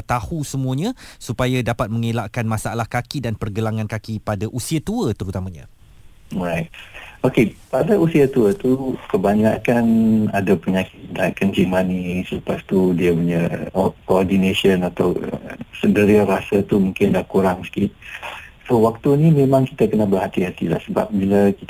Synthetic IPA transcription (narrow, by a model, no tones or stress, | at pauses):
ət̪ahusəmũaɲãsupajadapat̪̚mə̃ŋelaʔkanmãsaalahkakidanpərɡəlaŋãnkakipadaʔusiat̪uət̪əɾut̪amãɲa̰ | ɾajt̪̚okepadausiat̪uət̪ukəbaɲakanadapəɲakɪ̥t̪̚daʔ̚kand͡ʒimanisələpast̪udiəpuɲakoɔrdinesənat̪aw̰sədəɾiaɾasat̪umũŋkɪndahkuɾaŋsə̥kɪt̪̚sowak̚t̪unimẽmãŋkit̪akənabərɦat̪ihat̪ila̰hsəba̰p̚bilakit̪